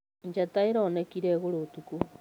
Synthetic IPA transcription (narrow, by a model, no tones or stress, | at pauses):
ɲd͡ʒataeɾɔːnɛkiɾɛɣoɾotuku